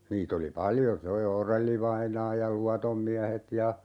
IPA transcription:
niːt oli pɑljo se o orelːiʋɑinɑː jɑ luɑtom miæhet jɑ

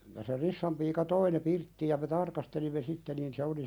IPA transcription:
jɑ se risːɑm piːkɑ toi ne pirtːiːj jɑ me tɑrkɑstelimːe sitːe niːn se oli

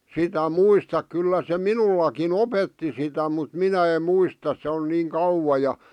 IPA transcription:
sitæ muistɑk kylːæ se minulːɑkin opetːi sitæ mut minæ em̆ muistɑs se on niːŋ kɑuwɑ jɑ

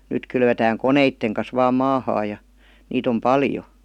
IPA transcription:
nyt kylʋetæːŋ koneitːeŋ kɑs ʋɑːm mɑːhɑː jɑ niːt om pɑljo

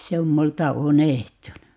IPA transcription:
se om multɑ unehtunu

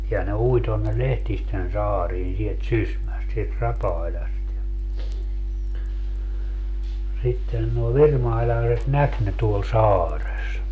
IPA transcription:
jɑ ne ui tonːe lehtisten sɑːriːn sielt sysmæst sielt rɑpɑˑilʲɑst jɑ sitːen nuo ʋirmɑilɑːset næk ne tuol sɑːres

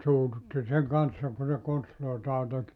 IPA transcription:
suːtutːi seŋ kɑnsːɑ ku se konstloitɑː tek

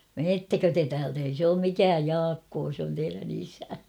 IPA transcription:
meːtːækø te tæːlt ei sĕ oːm mikæːj jɑːkːoː sĕ on teiræn isæ

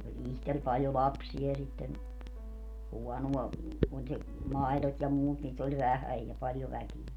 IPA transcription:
olʲ ihtel pɑljo lɑpsiɑ jɑ sitːen huɔnuɑ olʲ se mɑi̯lot jɑ muːt niːt olʲ ʋæhæj jɑ pɑljo ʋækie

